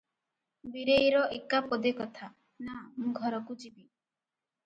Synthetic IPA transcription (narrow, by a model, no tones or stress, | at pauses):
biɾejɾɔʔekapɔd̪ekɔt̪ʰa | namũɡʱɔɾɔkud͡ʒibi